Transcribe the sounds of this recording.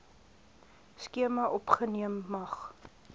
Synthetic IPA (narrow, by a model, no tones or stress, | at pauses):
skiəmɐʔɔpχəniəmːɐχ